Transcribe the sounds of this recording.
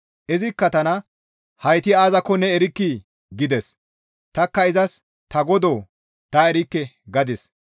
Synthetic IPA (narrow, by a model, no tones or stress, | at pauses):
ʔɛzɪkːɐt̪ɐnɐ | hɐjt̪ɪaːzɐkːɔnɛɛɾɪkːi | ɡɪd̪ɛs | t̪ɐkːɐɪzɐs | t̪ɐɡɔd̪oː | t̪ɐɛɾɪkːɛɡɐd̪ɪs